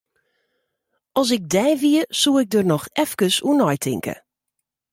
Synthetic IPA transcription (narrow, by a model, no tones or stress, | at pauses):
ʔɔs̬ɪk̚dɛjviəsuɪk̚dərnɔxɛfkəsunɔjtʰɪ̰ŋkə̰